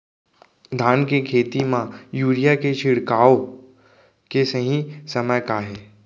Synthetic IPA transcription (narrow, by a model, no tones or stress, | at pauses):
d̪ʱaːnkekʰeːt̪imãjuːɾijaket͡ʃʰɪɽkaːo | kesəɦĩsəməjkaːɦeː